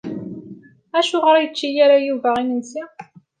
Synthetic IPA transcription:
æʃʊʁəɾjət͡ʃːijaɾajuvæʁinənsi

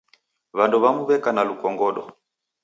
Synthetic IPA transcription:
βandɔβamuβɛkanalukɔŋɡɔɗɔ

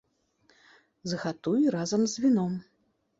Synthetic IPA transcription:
zɣat̪ujɾazɐmzʲvʲinɔm

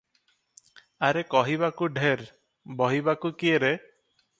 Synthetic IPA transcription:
aɾekɔɦiβakuɖʱeɾ | bɔɦibakukieɾe

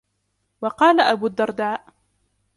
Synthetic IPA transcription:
wɑqɑːlaʔabuːd̪ːɑɾˤd̪aːʔ

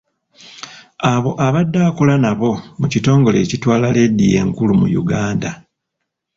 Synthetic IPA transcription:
aβo̞ʔaβadːakolanaβo̞mucito̞ːŋɡo̞le̞ːcitwaːlale̞dije̞̰ŋkulumṵjṵɡaːnda

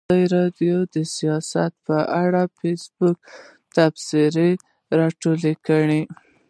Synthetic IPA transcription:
əɾɑdjod̪əsijɑsa̰t̪̚pəʔaɽafesbʊk̚ | t̪absiɾe | ɾɑʈolekəɽi

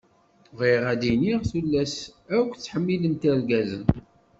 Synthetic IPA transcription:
ʁiʁæd̪iniʁθulːæsækʷːt͡sːħəmːilənt̪æɾɡæzə̰n

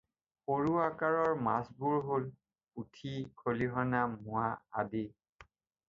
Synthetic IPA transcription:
poɹuakaɹɔɹma̰sbuɹɦol | utʰikʰoliɦɔnamʊaa̰di

